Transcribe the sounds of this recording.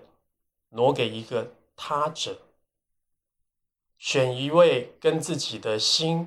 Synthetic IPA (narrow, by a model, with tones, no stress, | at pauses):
nwɔ˧˥ke˨˩ɪi˧˥ɡə˧ | t̪ʰa˥ʈ͡ʂə˨˩˦ | ɕɥɛ˨˩ni˧˥we˥˩ɪkə˦nt͡sɹ̩˥˩t͡ɕi˨˩d̪ə˦ɕi˥n